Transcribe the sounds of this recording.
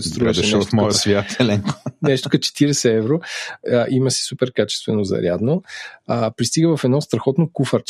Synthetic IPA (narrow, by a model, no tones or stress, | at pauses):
st̪ɾuɛʃɛɛʃɛvɐfmɔjəsvʲjat̪ɛlɛŋko̥nɛʃt̪o̥kɐt͡ʃɛ̥t̪iɾɛsɛɛvɾoʔimɐsi̥supɛɾkat͡ʃɛ̥st̪vɛnozɐ̰ɾʲjad̪noəpɾist̪iɡəvɐfɛd̪nɔst̪ɾɐxɔt̪nokufəɾt͡ʃ